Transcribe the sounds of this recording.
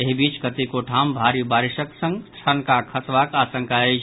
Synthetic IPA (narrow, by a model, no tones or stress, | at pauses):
eɦibiːt͡ʃkət̪ikoʈʰaːmbʱaːɾibaːɾiʃəksə̃ŋɡsʰənkakʰəsʋakaːsə̃ŋkaed͡ʒ